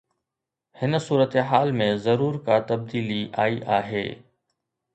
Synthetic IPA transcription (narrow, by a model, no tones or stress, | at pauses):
hɪnsuːɾət̪ɦaːlmẽzɐɾuːɾkat̪ɐb̚d̪iːliʔaːiʔaːɦḛː